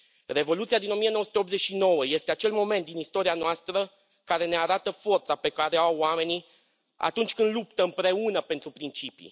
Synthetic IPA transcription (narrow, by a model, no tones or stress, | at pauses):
re̞vo̞lut̪siad̪ino̞mije̞nowəsut̪eop̪ze̞t͡ʃʲʃino̞wəje̞st̪eat͡ʃe̞lmo̞me̞nt̪d̪inist̪o̞ɾianoast̪ɾə | kaɾe̞ne̞aɾat̪əfo̞rt̪sape̞kaɾeawame̞ni | a̰t̪unt͡ʃʲkɨnd̪lupt̪əɨmpɾe̞unəpe̞nt̪ɾupɾint͡ʃipḭ